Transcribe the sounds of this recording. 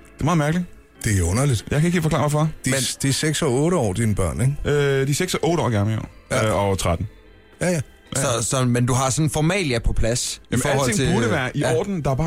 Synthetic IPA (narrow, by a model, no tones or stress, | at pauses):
d̥emɑ̈ːð̩mæɐɡ̥li | d̥e̝ɔ̽nɐlid̥jɑɪkʰæeɡ̥ifɒkʰlɑ̈ʋɔfɑd̥id̥iɐseɡ̥sɒɔ̽ːɾəɒ̰ːd̥inəb̥ɶɐ̰neɡød̥iseɡ̥sɒʔɔ̽ːɾəɒ̰ːɡɑmliɒ̰ɒt͡sʰʁad̥n̩ | jæjæ | sɒ̽sɒ̽mend̥uɦɑ̈sɒ̽nfɒmɛ̰ːljæpʰɒ̽pʰlæsiɒːhɒ̰̽eŋt͡sʰebuɐɾəʋæːɐʔiɒ̰ːd̥n̩d̥ɑ̈æb̥ɑ̈ː